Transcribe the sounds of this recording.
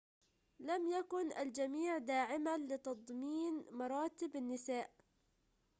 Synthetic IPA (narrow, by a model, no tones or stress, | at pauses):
lamjakʊna̰ld͡ʒamiːʕd̪aːʕɪmalɪt̪ɑd̪ˤmiːnmɑɾˤɑːt̪ɪbanːɪsaːʔ